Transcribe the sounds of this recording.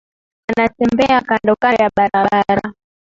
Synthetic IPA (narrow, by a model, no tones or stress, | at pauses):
anatɛmbɛakandɔkajaɓaɾaaɾa